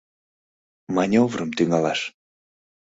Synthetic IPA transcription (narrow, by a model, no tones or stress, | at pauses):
manʲovɾəmt̪yŋɑlɑʃ